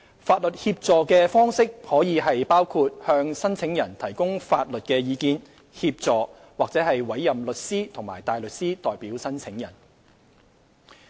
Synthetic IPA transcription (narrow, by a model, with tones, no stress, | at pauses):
faː˧t̚lɵ˨t̚hiː˧p̚t͡sɔː˨kɛː˧fɔː˥ŋsɪ˥k̚hɔː˨˥jiː˨˧ɦɐ˨jpaː˥wkʰuː˧t̚hœː˧ŋsɐ˥nt͡sʰɪ˨˥ŋjɐ˨˩nt̪ʰɐ˨˩jkʊ˥ŋfaː˧t̚lɵ˨t̚kɛː˧jiː˨˧kiː˨˧n | hiː˧p̚t͡sɔː˨ | waː˨k̚t͡sɛː˨˥ɦɐ˨jwɐ˨˥jːɐ˨mlɵ˨t̚siː˥t̪ʰʊ˨˩ŋmaː˨˩jt̪aː˨jlɵ˨t̚siː˥t̪ɔː˨jpiː˨˥wsɐ˥nt͡sʰɪ˨˥ŋjɐ̰˨˩n